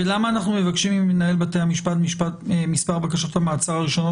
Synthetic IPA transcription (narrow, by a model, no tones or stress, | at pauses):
elamaːnaχnumevakʃimimːenae̞lbatejamiʃpatmiʃpatemispaʁbakaʃothamaːt͡saʁaʁiʃo̞no